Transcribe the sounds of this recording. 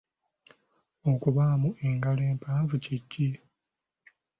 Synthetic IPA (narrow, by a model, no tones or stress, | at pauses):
o̞kuβamuʔe̞ŋɡaleːmpaːɱvuciɟːi